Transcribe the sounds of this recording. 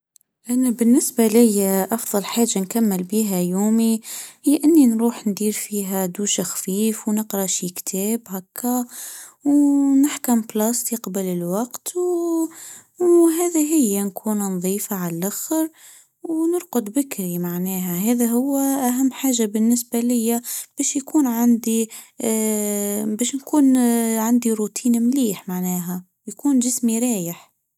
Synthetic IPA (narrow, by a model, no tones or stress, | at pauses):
ʔænæbɪnːɪsbalɪjːʔɑfðˤɑlħaːʒːankamːɪlbiːɦæjuːmihɪjːʔɪnːinɾuːħnd̪iːɾfiːɦæd̪uːʃaxfiːfwnɨqɾɑʃikt̪ʰɛːbhakʰːæ | wnɪħkʊmblɑːst̪iqɑbalɪlwɑqt̪w | wɦæːðiɦɪjːænkʰuːnnðˤiːfaʕallʔæxɾ | wnʊɾqʊd̪bɪkɾimaʕnɛːɦæɦɛːðæɦʊwːʔæɦæmːħaːʒabɪnːɪsbalɪjːab̥ɛːʃjkuːnʕand̪i | bɛːʃnkuːnʕand̪iɾut̪ʰiːnmliːħmaʕnɛːɦæ | jkuːnʒɪsmiɾˤɑːjəħ